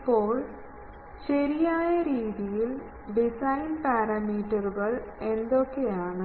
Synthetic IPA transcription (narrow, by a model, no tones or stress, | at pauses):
pːo̞ːɭ | ɕɐɾijaːjɐɾiːðijil | ɖisɐjnpaːɾɐmiːʈːɐruɡɐɭe̞nd̪o̞kːe̞jaːɳɨ